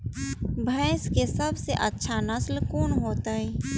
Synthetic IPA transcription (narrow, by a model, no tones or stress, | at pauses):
bʱɛ̃ɪskesɐbseʔɐtːʃʰanɐslkoːnɦoːt̪aɦɛː